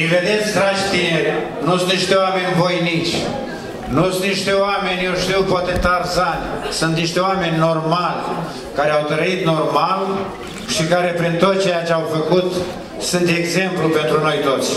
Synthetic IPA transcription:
ived̪e̞t̪sʲd̪ɾat͡ʃt̪ineɾʲ | nusũnt̪niʃt̪eoamenʲvo̞jnit͡ʃʲ | nusũnniʃt̪eoamenʲjewʃt̪iwpat̪et̪arzanʲsunt̪niʃt̪eowame̞nʲːormalʲ | kaɾeawt̪ɾəit̪no̞rmal | ʃikaɾe̞pɾint̪ot̪̚t͡ʃe̞jat͡ʃeawfəkut̪ | sunt̪eɡze̞mplupent̪ɾuno̞jt̪o̞t̪sʲ

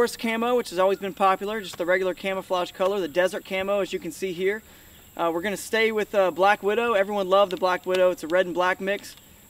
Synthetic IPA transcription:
ɹskʰæ̃moʊwɨt͡ʃhɨzɔlˠwizbɨ̃npʰɑpjl̩ˠə˞d͡ʒʌst̪̚ðɨɹɛɡjl̩ˠə˞kʰæ̃məflaʃkʰʌlˠə˞ðɨdɛzə˞t̚kʰæ̃moʊɨzjɨkɨ̃n̩siɦiɹ | ʔwɨɹɡʌnɨsteɪwɪðʌblækwɪɾoʊɛvɹiwʌ̃nlʌvðəblækwɪɾoʊɨtsɨɹɛdⁿn̩blæk̚mɪks

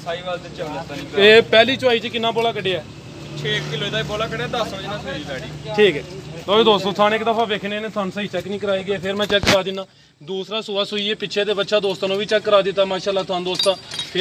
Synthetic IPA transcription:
saːiːʋalt̪eːt͡ʃəeːpɛːliːt͡ʃʊaːiːt͡ʃəkɪnːãːboːlaːkəɖeːɛː | t͡ʃʰeːkkiloid̪aːiboːlaːkəɖeːd̪əsʋəd͡ʒnãːt̪ʰoiːbɛːɽiːʈʰiːkɛːt̪oːd̪oːst̪õːt̪ʰaːnɪkd̪əpʰaːʋeːkʰneːnẽːt̪ʰaːnsaːiːt͡ʃɛknĩːkəɾaːiːɡəeːpʰɪɾmɛ̃ːt͡ʃɛkːəɾaːd̪ɪnːaː | d̪uːsɾaːsʊːaːsʊiːeːpɪʃʰeːd̪eːbət̪ːʃaːd̪oːst̪aːnũːʋiːt͡ʃɛkːəɾaːd̪ɪt̪ːaːmaːʃaːlːaːt̪ʰʊaːnd̪oːst̪ãːpʰɪ

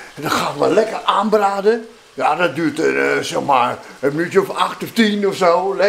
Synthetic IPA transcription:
dɔtxaːʋa̰lɛkəraːnbraːdə | jadɔt̚dyətsɛxma̰ɹəmənytjəɔfaxtɔftinɔfsoːlɛ

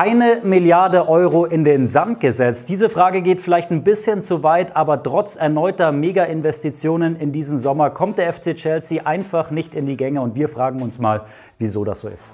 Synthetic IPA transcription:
ʔaɪnəmɪljaɐdəʔɔʏʁoʔɪndeːnzantɡ̥əzɛt͡sd̥iːzəfʁ̥aːɡəɡeːtfɪlaɪçtnbɪsçənt͡suvaɪtʔaːbɐtʁ̥ɔt͡sʔɛɐnɔʏtɐmeːɡaʔɪnvɛstit͡sjoːnənɪndiːzəm̩zɔmɐkʰɔmt̚d̥eːɐɛft͡seːt͡ʃɛlsiʔaɪnfaχnɪçtɪndiːɡɛŋəʊntv̥iːɐfʁ̥aːɡŋ̩ʊnsma̰ːl | viːzoːda̰sz̥o̰ːɪ̰st

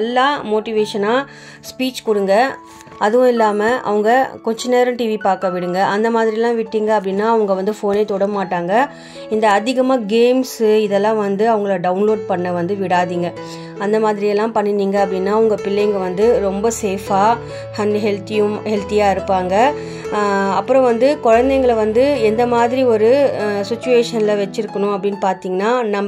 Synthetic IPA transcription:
lːaːmoːʈɪʋeːʂɐnaː | spiːt͡ʃkʊɽɯŋɡɐ | ɐðɯʋʊ̃ɪlːaːmɐʔɐ̰ʋɐŋɡɐkɔɲd͡ʒɐnːeːɾʊ̃ʈiːʋipaːɾkɐʋɪɽɯŋɡɐʔɐnd̪ɐmaːðɪɾɪɛlːãːʋɪʈːiːŋɡɐɐp̬ːɐɽɪnːaːɐʋɐŋɡɐʋɐnd̪ɯfoːneːt̪ɔɽɐmaːʈːaːŋɡɐ | ɪnd̪ɐːðɪɣɐmaːɡeːmsɪðɛlːãːʋɐnd̪ɯɐʋɐŋɡɐɭɖɐʊnloːɖ̚pɐɳːɐʋɐnd̪ɯʋɪɽaːðiːŋɡɐ | ɐnd̪ɐmaːðɪɾɪɛlːãːpɐɳːɪniːŋɡɐɐpːɐɽɪnːaːʊŋɡɐpɪlːɛjŋɡɐʋɐnd̪ɯɾɔmbɐseːfaː | hɐnɦɛlt̪ɪjɯmhɛlt̪ɪjaːɪɾɯpːaːŋɡɐ | ɐpːɯɾɔ̃ʋɐnd̪ɯkɔɻɐnd̪ɛŋɡɐɭɐʋɐnd̪ɯɛnd̪ɐmaːðɪɾiɔɾɯsɪt͡ʃːʊʋeːʂɐnlɐʋɛt͡ʃːɪɾɯkːɐɳʊ̃ɐpːɐɽɪnːpaːɾt̪iːŋɡɐnːaːnɐm

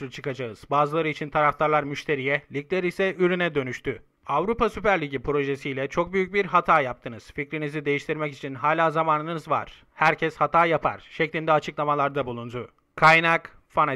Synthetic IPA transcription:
t͡ʃʰɯkad͡ʒaɯz̥baːzɯlˠaɾɯit͡ʃʰint̪ʰaɾaft̪ʰaɾlˠaɾmyʃt̪ʰe̞ɾijɛlʲic̚lʲeɾisɛʔyɾynɛd̪ø̞nyʃt̪ʰy | avɾupasypæɾlʲiɟipɾo̞ʒesijlʲɛt͡ʃʰo̞k̚byjyc̚biɾɦat̪ʰaːjap̚t̪ʰɯnɯz̥ficɾinizid̪e̞jiʃt̪ʰiɾmɛcit͡ʃʰinɦaːlʲaːzamaːnɯnɯzva̰ɾ̥ | hæɾcʰɛshat̪ʰaːjapʰa̰ɾ̥ʃɛclʲind̪ɛat͡ʃʰɯklˠamalˠaɾd̪abulˠund̪u | kʰajnak | fana

